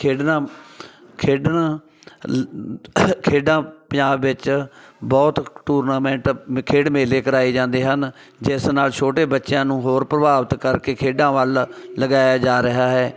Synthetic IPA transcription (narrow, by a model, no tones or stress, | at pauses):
kʰeːɖnãː | kʰeːɖnãː | kʰeːɖãːpəjaːbʋɪt͡ʃbɔːt̪ʈuːɾnaːmɛ̃ːɳʈkʰeːɖmeːleːkəɾaːiːd͡ʒãːnd̪eːɦən | d͡ʒɪsnaːlt͡ʃʰoːʈeːbətːʃjãːnũːɦoːɾpɾəbaːʋət̪kəɾkeːkʰeːɖãːʋəlləɡaːjaːd͡ʒaːɾəɦaːɦɛː